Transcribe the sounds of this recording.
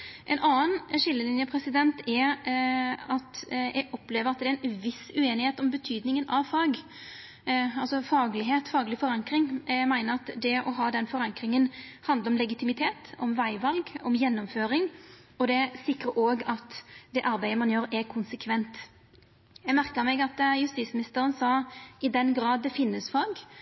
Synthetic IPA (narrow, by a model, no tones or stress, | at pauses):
ʔɛnɑːənʃɪlːəlɪnjəpʰɾɛsɪd̪ɛnt̪ɛɾ | ɑt̪jɛ̰ɡɔpːleːʋəɾɑt̪̚d̪ɛɛnʋɪsʉeːnɪheːt̪ɔmbət̪ʰyːd̪nɪŋənʔɑʋfɑːɡ | ɑlsɔfɑːɡlɪɦeːt̪fɑːɡlɪfɔɾɑŋkɾɪŋmæɪnəɾɑt̪d̪ɛʔɔɦɑːd̪ɛnfɔɾɑŋkɾɪŋənhɑnd̪əɾɔmlɛɡɪt̪ʰɪmɪt̪ʰeːt̪ɔmʋæɪʋɑlɡɔmjɛnːɔmføːɾɪŋɔd̪ɛæsɪkɾəɾʔoːɡɑt̪d̪ɛʔɑɾbæɪəmɑnjøːɾɛkʰʊnsəkʰʋɛnt̪ | jæɡmæɾkəmɛɡɑt̪jʉst̪iːt̪smɪnɪst̪əɾənsɑːɪd̪ɛnɡɾɑːd̪̚ːɛfɪnːəsfɑːɡ